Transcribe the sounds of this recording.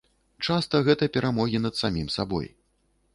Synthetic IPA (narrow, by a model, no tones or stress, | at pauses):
t͡ʂast̪ɐɣɛt̪ɐpʲɛɾamɔɣʲin̪ɐd̪samʲimsabɔ̰j